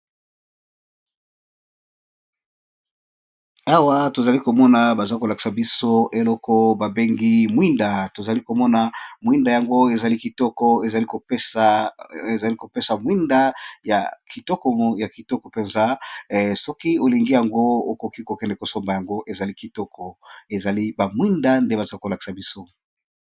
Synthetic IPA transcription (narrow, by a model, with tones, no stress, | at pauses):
a˦wa˦to˨za˨li˦ko˨mɔ˦na˨ba˨za˦ko˨la˨ki̥˨sa˨bi˦so˦ʔe˨lɔ˦kɔ˦ba˨be˦ŋɡi˦mwi˦nda˨to˨za˨li˦ko˨mɔ˦na˨mwi˦nda˨ja˨ŋɡo˦e˨za˨li˦ki˨tɔ˦kɔ˦e˨za˨li˦ko˨˦ | e˨za˨li˦ko˨pe˦sa˨mwi˦nda˦ja̰˨ki˨tɔ˦kɔ˨ja˨ki˨tɔ˦kɔ˨pe˨nza˦sɔ˦ki˦o˨li˨ŋɡi˦ja˨ŋɡo˦o̰˦ko˨ki˦ko˨kɛ˦ndɛ˨ko˨so˦mba˨ja˨ŋɡo˦ʔe˨za˨li˦ki˨tɔ˦kʰɔ˨e˨za˨li˦ba˨mwi˦nda˦nde˦ba˨za˦ko˨la˨ki̥˨sa˨bi˦so˦